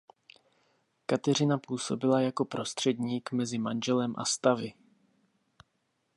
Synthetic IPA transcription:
kat̪ɛr̝ɪnapuːso̞bɪlajako̞pɾo̞st̪r̝̥ɛd̪ɲiːkmɛzɪmanʒɛlɛmʔa̰st̪avɪ

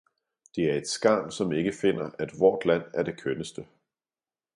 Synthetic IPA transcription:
d̥e̝æɐe̝d̥sɡ̥ɑ̈ːnsɒ̽me̝ɡ̥əfe̝n̰ɐæd̥ʋɒ̰ːd̥læn̰æɐd̥e̝kʰønəsd̥ə

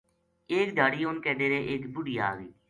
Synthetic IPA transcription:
eːkd̪ʱaːɽiːɦʊnkɛːɖeːɾeːʔɪkbʊɽijaːɡiː

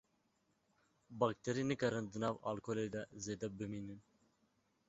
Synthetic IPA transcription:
bak̚t̪ʰɛɾinɨkɐɾɨnd̪ɨnɑːva̰lkʰolejd̪ɛzeːd̪ɛbɨminɨn

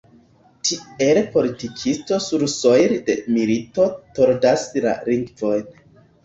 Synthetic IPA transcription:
tʰie̞lpo̞litikʰisto̞suɾso̞jɾde̞milito̞toɾdasla̰ɾiŋɡvo̞jn

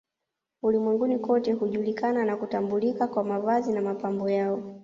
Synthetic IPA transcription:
ulimwɛŋɡunikɔtɛhuʄulikananakutambulikakwamavazinamapambɔjaɔ

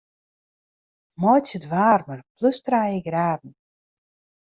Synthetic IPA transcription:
mɔjsətʋaːrmərpløstrajəɡraːdn̩

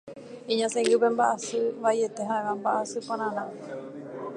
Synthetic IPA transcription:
ĩɲãsẽŋɡɨp̬embaʔasɨʋaie̞t̪e̞ɦaeʋambaʔasɨpõɾ̃ãnã

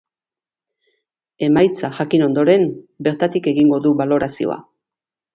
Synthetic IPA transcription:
e̞majt͡saʝakino̞nd̪o̞ɾe̞mbe̞ɾt̪at̪ike̞ɣiŋɡo̞ðuβalo̞ɾasio̞̰a̰

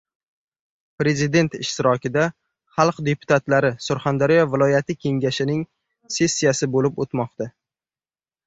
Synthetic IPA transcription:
pɾe̞zɪd̪e̞nt̪ɪʃt̪ɪɾɒkʲɪd̪a | χɑlˠqd̪e̞pʰʊ̥t̪ʰat̪laɾɪsʊɾχand̪aɾijɒvɪlˠɒjat̪ʰɪkʲʰe̞ŋɡʲaʃɪnɪŋ | se̞sːijasɪbolɪpot̪mɒq̚t̪ʰa

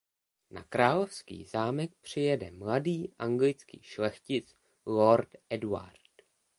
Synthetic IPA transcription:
na̰kɾaːlofskḭːzaːmɛk̚pr̝̥ɪjɛdɛ̰mladiːʔaŋɡlɪt͡skḭːʃlɛxcɪt͡s | loɾtʔɛdua̰ɾt

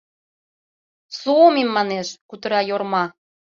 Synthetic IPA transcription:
suomimːɑneʃkut̪əɾɑjormɑ

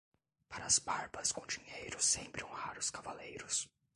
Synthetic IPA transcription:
paɾɐːzbaɾbɐskõd͡ʒĩɲejɾʊsẽpɾɪõhaɾʊskavalejɾʊs

